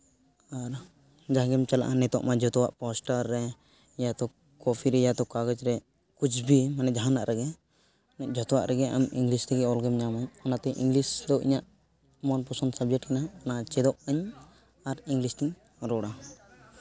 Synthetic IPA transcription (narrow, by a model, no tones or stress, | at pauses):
aɾ | d͡ʒaɦɡɛmt͡ʃala̰ʔanɛt̪ɔ̰ʔmad͡ʒʱɔt̪ɔwa̰ʔpɔsʈaɾːɛ | jat̪ɔ | kɔpʰiɾɛjat̪ɔkaɡɔd͡ʒɾɛ | kut͡ʃbimanɛd͡ʒaɦanaʔɾʔɛɡɛ | nɛʔ̚d͡ʒʱɔt̪ɔwa̰ʔɾɛɡɛa̰miŋɡlist̪ɛkɛɔlɡɛmɲamaɲɔnat̪ɛʔḭŋɡlisd̪ɔʔḭɲaʔ | mɔnpɔsɔnsabd͡ʒɛʈkɛnaːnaʔat͡ʃɛd̪ɔʔaɲ | aɾiŋɡlist̪iɲ | ɾɔɽa